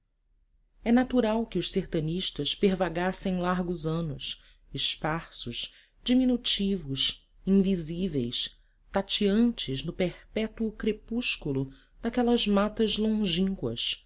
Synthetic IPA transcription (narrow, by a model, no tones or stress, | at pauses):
ɛnat̪uɾawkɪʊʃseɾt̪ɐniʃt̪ɐspeɾvaɡasẽj̃laɾɡʊzɐ̃nʊs | ɪspaɾsʊʃ | d͡ʒiminut͡ʃivʊs | ĩŋvizivejs | t̪at͡ʃiɐ̃nt͡ʃɪznʊpehpɛt̪uʊkɾepuʃkulʊ | d̪akɛlɐzmat̪ɐzlõʒĩŋkwɐ̰s